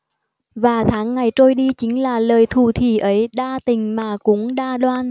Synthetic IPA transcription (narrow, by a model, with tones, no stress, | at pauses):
vaː˨˩t̪ʰaː˨˦ŋːa˨˩jt͡ɕo˧jɗi˧t͡ɕï˨˦ŋ̟laː˨˩ləː˨˩jt̪ʰu˨˩t̪ʰi˧˩ʔə˨˦jɗaː˧t̪ï˨˩ŋ̟maː˨˩kʊ˨˦ŋɗaː˧ɗwaː˧n